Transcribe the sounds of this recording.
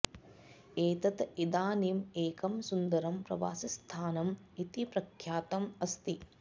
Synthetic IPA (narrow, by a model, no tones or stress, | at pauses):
eːt̪ɐt̪id̪aːniːmeːkɐmsund̪ɐɾɐmpɾɐ̰ʋa̰ːsɐst̪ʰaːnɐmit̪ipɾɐkʰjaːt̪ɐmɐst̪i